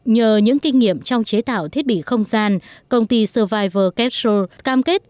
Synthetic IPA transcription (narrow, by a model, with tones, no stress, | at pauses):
ɲəː˨˩ɲɨ̰˧˥ŋkï˧ŋ̟ŋi˧˨əmt͡ɕɔ˧wŋ͡mt͡ɕe˨˦t̪a̰ː˧˨wt̪ʰi˦˥ət̚ɓḭ˧˨xə˧wŋ͡mzaː˧nkə˧wŋ͡mt̪i˧səː˧vaː˧jvəː˧kɛ˦˥p̚so˧kaː˧mke˦˥t̚